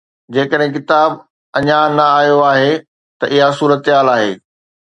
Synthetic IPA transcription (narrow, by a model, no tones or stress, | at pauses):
d͡ʑeːkəɗɦɪ̃k̬ɪt̪aːb | ɐɲanɐaːɦjoaːɦe | t̪ɐʔɪɦasuːɾət̪ɦaːlaːɦeː